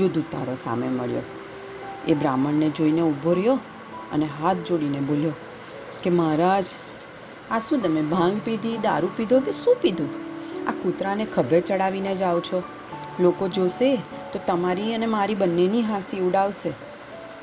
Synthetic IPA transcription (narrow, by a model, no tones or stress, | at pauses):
d͡ʒod̪ʱũt̪a̰ɾosa̰mḛmə̰ɭjo̰ | ḛbɾaməɳned͡ʒoineubʱoɾjo | ə̰neɦat̪̚ʰd͡ʒoɽineboljo | kemaɾad͡ʒ | aʃũt̪əmebʱãŋɡpid̪ʱid̪a̰ɾũpid̪ʱokeʃũpid̪ʱũa̰kut̪ɾanekʰəbʱet͡ʃəɽaʋined͡ʒawt͡ʃʰo | lokod͡ʒose | t̪ot̪əmaɾiənemaɾibənːeniɦasiuɽaʋʃe